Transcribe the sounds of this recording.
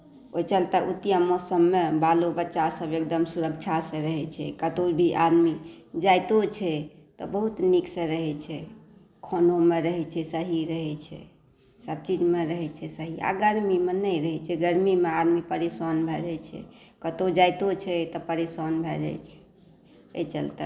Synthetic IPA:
ojt͡ʃəlt̪əʔut̪ijamɔsəmːebalobətːʃasəbek̚d̪əmsuɾək̚t͡ʃʰasə̃ɾəɦɛt͡ʃʰɛ̰kət̪obʱiʔad̪mid͡ʒajt̪ot͡ʃʰɛ | t̪ɔbəɦut̪niksə̃ɾəɦɛt͡ʃʰɛ | kʰonomeɾəɦɛt͡ʃʰɛsəɦiɾəɦɛt͡ʃʰɛ̰ | səb̚t͡ʃid͡ʒmeɾəɦɛt͡ʃʰɛsəɦia̰ɡəɾmimenəjɾəɦɛt͡ʃʰɛɡəɾmimead̪mipəɾisɔnbʱɛd͡ʒɛjt͡ʃʰɛ̰kət̪od͡ʒajt̪ot͡ʃʰɛt̪ɔpəɾisɔnbʱɛd͡ʒɛ̰jt͡ʃʰɛ̥ | ḛt͡ʃə̰lt̪ə̰

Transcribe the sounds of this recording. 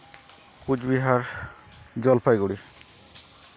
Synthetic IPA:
kud͡ʑbiɦaɾ | d͡ʑɔlpʰajɡuɽiɾ

